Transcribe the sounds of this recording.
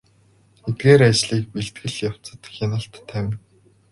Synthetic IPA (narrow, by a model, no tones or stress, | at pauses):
et̪̚ɡeːɾat͡ɕɮiːk̚peɬt̪̚ɡɘ̆ɮjaw̥t͡sə̥̆t̪xʲɪnə̆ɬt̪ʰːæwʲɪ̆n